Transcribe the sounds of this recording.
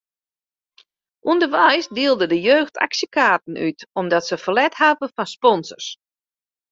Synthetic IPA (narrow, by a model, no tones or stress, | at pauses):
ʔundərʋɛjsdiəlˠdədəjøːxta̰ksjəkaːtən̩ʔytɔmdɔtsəfəlɛthavəfɔnspɔnsə̰rs